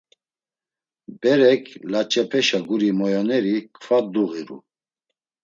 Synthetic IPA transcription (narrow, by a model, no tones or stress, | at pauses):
bɛɾɛkʰlat͡ʃʼɛpʰɛʃaɡuɾimɔjanɛɾikʰfad̪uɣiɾṵ